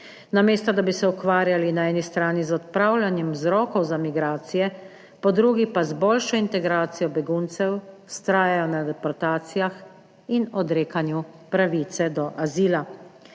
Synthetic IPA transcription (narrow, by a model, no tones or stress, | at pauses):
nameːst̪ɔd̪abisɛukʋaːɾjalinaɛːnist̪ɾaːnizɔt̪̚pɾawlanjɛmwzɾɔːkɔwzamiɡɾaːt̪sijɛ | pɔd̪ɾuɡipazboːlʃɔint̪ɛɡɾaːt̪sijɔbɛɡunt̪sɛwst̪ɾaːjajɔnad̪ɛpɔɾt̪aːt̪sijax | inɔd̪ɾeːkanjupɾaʋit̪sɛd̪ɔʔaziːla